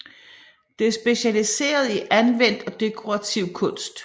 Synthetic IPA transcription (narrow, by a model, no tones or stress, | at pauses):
d̥e̝æɐsb̥e̝ɕælise̝̰ːɐð̞ˠiʔænʋen̰d̥ɒ̽d̥e̝kʰo̝ʁɑ̈t͡sʰiʊ̰kʰɔ̽n̰sd̥